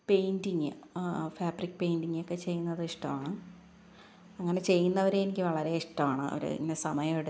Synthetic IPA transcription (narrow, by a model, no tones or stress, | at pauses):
pe̞jndiŋːɨfaːbrikʲːpe̞jndiŋːjokːe̞t͡ɕe̞jːunːɐðɨiʂʈɐmaːɳɨ | ɐŋːɐne̞t͡ɕe̞jːunːɐʋɐɾeenikʲːɨʋɐɭɐɾe̞iʂʈɐmaːɳɨ̰o̰ɾṵḭnnesɐmɐjɐmɽ